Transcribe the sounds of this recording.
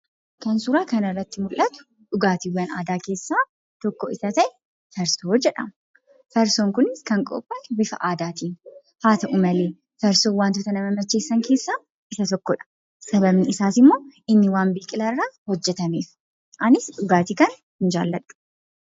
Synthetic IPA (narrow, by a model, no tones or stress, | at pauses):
kɐnsʊɾaːkɐnɐrːɐt̪ːɪmʊlʔɐt̪ʊ̥ | ᶑʊɡaːt̪iwɐna̰ːd̪aːke̞ːsːaː | t̪ɔkːɔɪsɐt̪ɐʔɛ | fɐɾsoːd͡ʒɛᶑɐ̰m | fɐɾsoːŋkʊnɪskɐŋkʼɔ̰pʼːɐbɪfɐ̰ʔaːd̪aːt̪iːn | haːt̪ɐʔʊmɐleː | fɐɾsoːwaːnt̪ʊt̪ɐnɐmɐmɐt͡ʃːe̞ːsːɐŋke̞ːsːaː | ʔɪsɐt̪ɔkːɔᶑɐ̥ | sɐbɐbnɪɪsaːsɪmːo̞ːɪnːɪwaːnbiːkʼɪlɐrːaːhɔd͡ʒːɛt̪ɐmeːf | ʔɐnɪsᶑʊɡaːt̪ikɐn | hɪnd͡ʒa̰ːlːɐᶑʊ̥